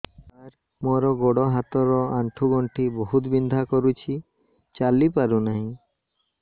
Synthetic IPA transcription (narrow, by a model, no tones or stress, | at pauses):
aɾ | mɔɾɔɡɔɽɔɦat̪ɔɾɔaɳʈʰuɡɔɳʈʰibɔɦut̪bind̪ʱakɔɾut͡ʃʰi | t͡ʃalipaɾunaɦĩ